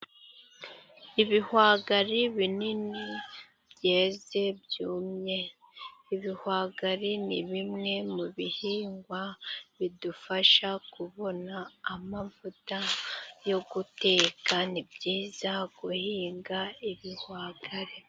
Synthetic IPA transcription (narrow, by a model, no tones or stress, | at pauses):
iβihwaːɡaɾiβinini | bje̞ːze̞bjuːmɲe̞ | iβihwaːɡaɾiniβimŋe̞muβihiːŋɡwaβidufaʃakuβo̞naːmavutajo̞ɡute̞ːkanibjiːz̥aɡuhiːŋɡaiβihwaːɡaɾi